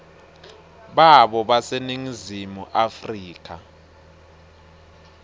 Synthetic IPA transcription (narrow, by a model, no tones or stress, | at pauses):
ɓaɓɔɓaseniŋizimuʔafriːk̬ʰʼa̰